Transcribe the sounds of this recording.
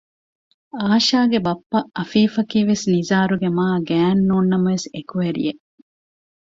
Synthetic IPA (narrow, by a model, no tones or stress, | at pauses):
aːʃaːɡebɐpːɐʔɐfiːfɐkiːʋesnizaːɾuɡemaːɡæːnːuːnːɐmɐʋesekuʋeɾḭe